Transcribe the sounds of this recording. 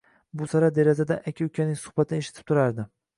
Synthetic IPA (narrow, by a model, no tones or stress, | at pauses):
bʊsaɾad̪e̞ɾazad̪aʔakʲʰiʊkʲʰanɪŋʲsʊ̥hbat̪ʰɪneʃɪt̪ʰɪ̥p̚t̪ʰʊɾaɾd̪ɪ